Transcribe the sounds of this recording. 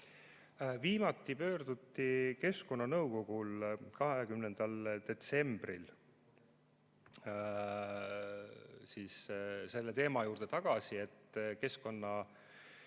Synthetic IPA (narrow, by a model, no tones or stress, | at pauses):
viːmɑt̪ːipø̞ːrd̪̥ut̪ːike̞sko̞nːɑnɤwko̞ɡ̥ulkɑɦekymne̞nd̪̥ɑld̪̥e̞t̪se̞mb̥ril | siːsse̞lːe̞t̪e̞ːmɑjuːrd̪̥e̞t̪ɑɡ̥ɑsie̞t̪ːke̞sko̞nːɑ